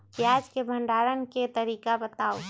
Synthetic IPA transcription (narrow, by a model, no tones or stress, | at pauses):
pjaːd͡ʒkebʱə̃ɳɖaːɾənket̪əɾiːkabət̪aːo